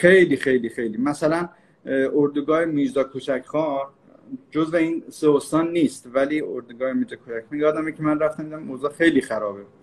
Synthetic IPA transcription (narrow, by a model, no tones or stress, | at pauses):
xe̞jliːxe̞jliːxe̞jliːmæsælæn | ʔoɾd̪uɡɒːhemid͡ʒd̪ɒːkʰot͡ʃʰækʰxɒː | d͡ʒozveiːnseost̪ɒːnːiːst̪vælioɾd̪uɡɒːhemiːd͡ʒd̪ɒkʰot͡ʃækmiɡɒːd̪æmikʲʰemænræft̪æmd̪æmozɒːxejliːxæɾɒːbe